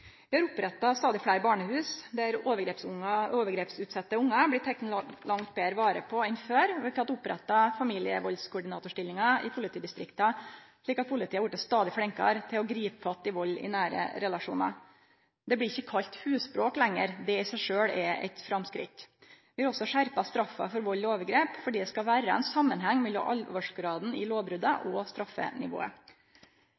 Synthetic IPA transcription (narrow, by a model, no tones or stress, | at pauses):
ʋɪhɑɾʊpɾɛt̪ːɑst̪ɑːd̪ɪfɽæɪɾbɑːɳəhʉːsd̪æɾoːʋəɾɡɾeːpsʊŋːɑoːʋəɡɾeːpsʉːt̪sɑt̪ːəʊŋːɑblɪt̪ʰɛkt̪ən̩lɑŋt̪̚beːɾʋɑːɾə̰pʰɔɛnføːɾɔʋɪk̪ʰɑt̪ːʊpɾɛ̰t̪ːɑfɑmiːlɪə̰ʋɔlskʰʊɖɪnɑːt̪ʊʂʈɪlːɪŋɑɪ̰pʰʊlɪt̪ʰiːd̪ɪst̪ɾɪkt̪ɑʂɭiːkɑt̪̚pʰʊlɪt̪iːɑʋjʊʈːəst̪ɑːd̪ɪfɽɛŋkɑ̰ɾt̪ʰɪlɔɡɾiːpəfɑt̪ːɪʋɔlːɪ̰næːɾə̰ɾɛlɑʂṵːnɑ̰ | d̪ɛblɪɾɪçːəkʰɑlt̪hʉːspɾoːklɛŋːəɾd̪ɛɪsæɪʂøːɽɛɛ̰t̪fɾɑmskɾɪ̰t̪ʋɪʋlɔsːɔʂæɾpɑst̪ɾɑfːɑ̰fɔɾʋɔlːoːʋəɡɾeːpfɔɖiːd̪ɛskɑʋæːɾəɛ̰nsɑmːənɦɛŋːmɛlːɔmʔɑ̰lʋɑʂɡɾɑːd̪n̩ɪloːʋbɾʉd̪ɑʔɔst̪ɾɑfːə̰nɪ̰ʋo̰ːə̰